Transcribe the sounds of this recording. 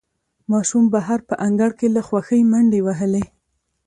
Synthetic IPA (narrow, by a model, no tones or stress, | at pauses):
mɑʃumbaɦaɾpəʔaŋɡaɽkelaxwaxəjmaɳɖewaɦəle